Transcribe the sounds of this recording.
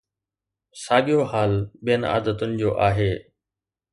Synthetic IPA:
saːɠijoɦaːlɓijəna̰ːd̪ət̪ʊnɪ̆d͡ʑoːʔaːɦeː

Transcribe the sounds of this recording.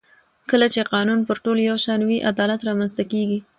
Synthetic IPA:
kəlat͡ʃeqɑnunpəɾʈoljawʃɑnwiʔad̪ɑlat̪ɾɑmanzt̪akeɡi

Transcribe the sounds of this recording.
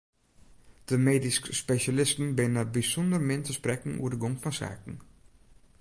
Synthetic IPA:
d̥əmeːdiskspeʃalɪstən̩bɪnnabisɔndərmɪntəsprɛkən̩ṵəɹdəɡoŋfɔnsa̰ːkən̩

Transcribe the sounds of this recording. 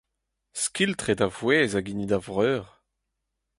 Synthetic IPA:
skʲiltχedavwɛːzaɡinidavʁœːʁ

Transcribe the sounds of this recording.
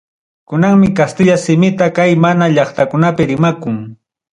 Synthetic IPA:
kʊnaŋmɪkast̪ɪʎasɪmɪt̪akajmanaʎɑχt̪akʊnapɪɾɪmakʊŋ

